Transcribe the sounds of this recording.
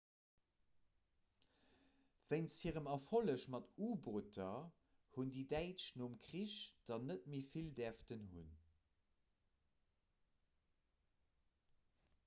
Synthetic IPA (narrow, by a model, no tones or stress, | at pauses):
v̥əɪnshiːʁəmɐfoləʃmɑtuːbotɐ | hundiːdæɪtʃnoːmkʁ̥iʃd̥ɑnət̚miːfildɛɐftənɦṵn